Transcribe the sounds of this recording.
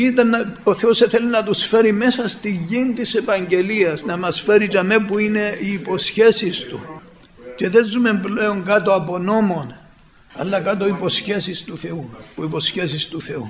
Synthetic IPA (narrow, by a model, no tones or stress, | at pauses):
it̪ɐnːo̞θeo̞seθe̞linɐt̪usfe̞ɾime̞sɐst̪iʝint̪ise̞pɐɲɟe̞liɐsnɐmɐsfe̞ɾitɐme̞puine̞iːpo̞sçe̞sist̪u | ce̞ðe̞zːume̞mple̞oŋkɐt̪o̞ɐpo̞no̞mo̞n | ɐ̰lːɐkɐt̪o̞ipo̞sçe̞sist̪uθe̞upuipo̞sçe̞sist̪uθe̞u